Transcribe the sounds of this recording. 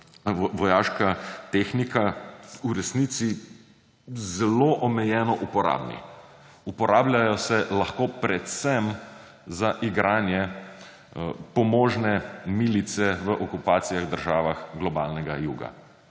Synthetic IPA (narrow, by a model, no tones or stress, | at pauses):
ʋɔjaːʃkat̪exnikauɾɛsniːt̪si | zɛloːʔɔmɛjɛːnɔʔupɔɾa̰ːbnḭ | upɔɾaːblʲjajɔsɛlaxkoːpɾɛt̪sɛm | zaʔiɡɾaːnjɛ | pɔmoːʒnɛmiːlit̪sɛʋəʔɔkupaːt̪sijaɣd̪əɾʒaːʋaxɡlɔbaːlnɛɡajuːɡa̰